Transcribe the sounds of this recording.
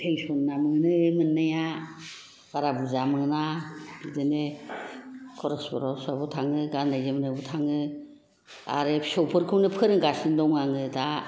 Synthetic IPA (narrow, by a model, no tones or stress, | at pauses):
tʰeŋsɔnːamɯŋnɯmɯnːaja | ɡ̥aɾabuzamɯŋnaidɯne | kʰɔɾɔspɔɾɔsabɔtʰaŋɯɡandajzemɯnɯbɔtʰaŋɯ | a̰ɾesɔwpʰɯɾkʰɯwnɯpʰɯɾɯŋɡasɯndɔŋaŋɯda